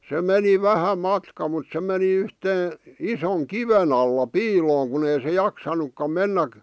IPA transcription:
se meni ʋæhæ mɑtkɑ mut se meni yhteː isoŋ kiʋen ɑlːɑ piːloːŋ kun ei se jɑksɑnukːɑm menːæk

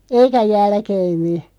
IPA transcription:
eikæ jælkeːmːi

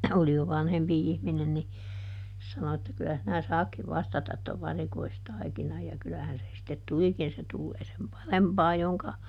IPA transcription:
oli jo ʋɑnhempi ihminen ni sɑno etːæ kylæ sinæ sɑːkːiʋ ʋɑstɑtɑt toʋ ʋɑrikoistɑikinɑj jɑ kylæhæn se sĭtːet tulikin se tulːeː sem pɑrempɑː joŋkɑ

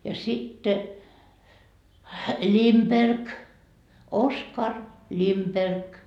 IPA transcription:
jɑ sitːe limperk oskɑr limperk

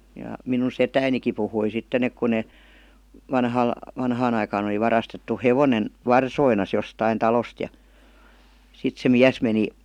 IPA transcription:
jɑ minun setæiniki puhui sitːen ek ku ne ʋɑnhɑl ʋɑnhɑːn ɑikɑːn oli ʋɑrɑstetːu heʋonen ʋɑrsoinɑs jostɑin tɑlost jɑ sit se miæs meni

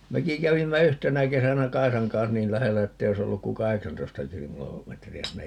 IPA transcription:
meki kæʋimːæ yhtenæ kesænæ kɑisɑŋ kɑns niːl læhelːæ etːei ois olːuk ku kɑheksɑntoistɑ kilo metriæ sinːej

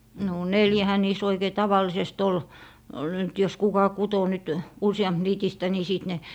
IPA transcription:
no neljæhæ niːs oikei tɑʋɑlˑisest ol nyt jos kukɑ kuto nyt usij̆ɑmp niːtistæ ni siˑt ne

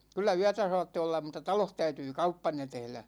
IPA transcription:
kylːæ yætæ sɑːtːe olːɑm̆ mutˑɑ tɑloh tæytyː kɑupːɑnːe tehlæ

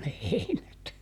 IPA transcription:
ne heinæt

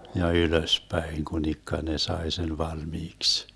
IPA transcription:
jɑ yløspæiŋ kunikːɑ ne sɑe sen ʋɑlmiːks

